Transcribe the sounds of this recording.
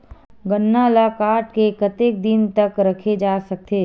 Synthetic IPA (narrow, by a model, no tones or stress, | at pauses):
ɡɐnːalaːkaːʈkekɐt̪eːk̚d̪ɪnt̪ɐkɾɐkʰed͡ʒaːsɐk̚t̪eː